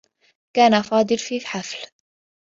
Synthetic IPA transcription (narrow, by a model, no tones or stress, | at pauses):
kaːnafɑːd̪ˤɨlfiːfħafl